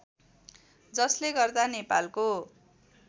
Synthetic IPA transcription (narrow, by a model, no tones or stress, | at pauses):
d͡zʌsleɡʌrd̪anepalko